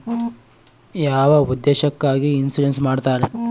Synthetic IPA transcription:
jaːʋɐud̪ːeːʃɐkːaːɡiːnsulensmaːɖt̪aːɾe

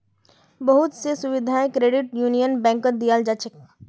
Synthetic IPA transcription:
bɐɦʊt̪sesʊʋɪd̪ʱaːẽkɾeːɖɪʈjuːnijənbɛ̃ːŋkəɾd̪ijaːld͡ʒat͡ʃək̚

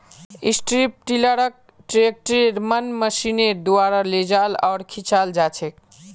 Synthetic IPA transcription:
ḭsʈɾip̚ʈiləɾək̚ | ʈɾek̚ʈɾeɾmənməsineɾd̪uaɾaled͡ʒalɔːɾkʰit͡ʃʰald͡ʒat͡ʃʰek̚

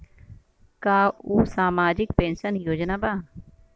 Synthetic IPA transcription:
kaːuːsaːmaːd͡ʒɪkpẽːnʃənjoːd͡ʒnabaː

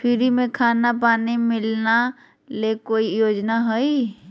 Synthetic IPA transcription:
pʰɪɾimẽkʰaːnapaːnimɪlna | lekoːijoːd͡ʒnaɦoi

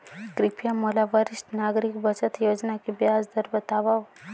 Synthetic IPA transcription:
ɡɾipʰijamolavaɾist̪naɡɾiɡbət͡ʃət̪jɛwɔznakibiazd̪əɾbət̪ʰaβaw

